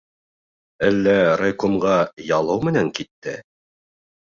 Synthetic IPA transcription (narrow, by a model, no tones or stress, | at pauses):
ælːæɾɐjkomʁɑjɑlˠɤwmɘ̆næŋkit̪ːɘ̰